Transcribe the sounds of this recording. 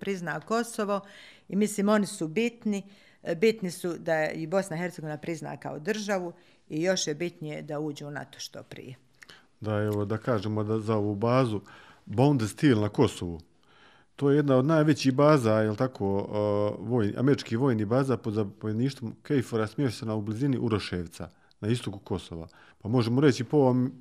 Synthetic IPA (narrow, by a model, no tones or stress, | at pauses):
pɾiznaːko̞soʋo̞ | imisliːmo̞nisubit̪ni | bit̪nisud̪aibo̞snaihe̞rt̪eɡo̞ʋinapɾizna̰ːka̰od̪r̩ʒaʋu | ijo̞ʃjebit̪nijed̪auːd͡ʑuuna̰t̪o̥ʃt̪o̰pɾḭje | d̪aeʋod̪akaːʒeːmod̪azaoʋuːbaːzu | bond̪st̪iːlˠnako̞soʋu | t̪o̞ːjejed̪nao̞d̪najʋe̞t͡ɕiːhbaːzajelˠt̪akʰo̞ː | ʋoːjniʔa̰meɾit͡ʃkiːhʋo̞ːjniːbaːzapo̞d̪zapoʋjeniːʃt̪omkejfoɾasmjeːʃt̪enaubliziniʔuɾoʃeʋt̪sa | naist̪o̞kuko̞soʋa̰ | pamo̞ʒe̞moɾe̞t͡ɕipom